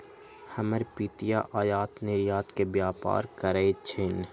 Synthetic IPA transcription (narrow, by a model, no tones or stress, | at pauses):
hɐməɾpiːt̪ijaʔaːjaːt̪nɪɾjaːt̪kebjaːpa̰ːɾkəɾeːt͡ʃʰɪn